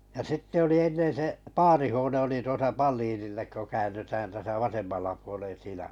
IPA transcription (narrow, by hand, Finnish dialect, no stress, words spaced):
jɑ sitːe oli enːen se pɑːrihuone oli tuosɑ pɑlːiːnilːek ko kæːnˑytæːn tæsæ ʋɑsemːɑlːɑ puolen siːnæ